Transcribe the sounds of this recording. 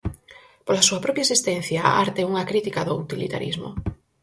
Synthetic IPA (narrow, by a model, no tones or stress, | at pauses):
polasuapɾɔpjaesist̪en̟θjaaɾt̪euŋakɾit̪ikaðout̪ilḭt̪a̰ɾizmo̰